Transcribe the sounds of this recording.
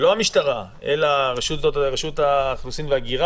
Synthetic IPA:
lohamiʃtaʁa | elaʁeʃutotʁeʃut̪aːχlusimveaɡiʁa

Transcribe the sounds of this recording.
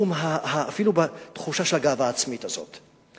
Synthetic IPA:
umɦahaːfilubat̪χuʃaʃelaɡaːvaːt͡smitazo̞̰t

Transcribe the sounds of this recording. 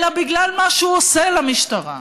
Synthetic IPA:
labiɡlalmaʃuoselamiʃt̪aʁa̰

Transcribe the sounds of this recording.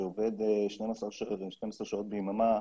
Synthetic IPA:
eoved̪eʃnemasaʃʃnemasaʁʃao̞t̪̚beimama

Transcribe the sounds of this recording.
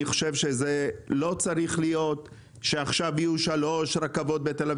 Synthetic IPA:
iχoʃe̞vʃe̞zelo̞t͡saɾiχlijo̞t̪ | ʃe̞aχʃavijuʃalo̞ʃɾakavo̞t̪̚be̞t̪elav

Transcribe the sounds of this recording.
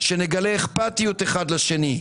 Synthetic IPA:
ʃe̞neɡale̞ːχpat̪ijut̪eχad̪laʃe̞ni

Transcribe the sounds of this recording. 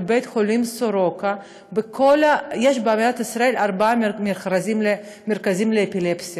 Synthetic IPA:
bejt̪χolimsoɾoka | bekʰolajeʃbeamidat̪isɾaelaɾbameχɾazimle | meɾkazimleːpilepsia

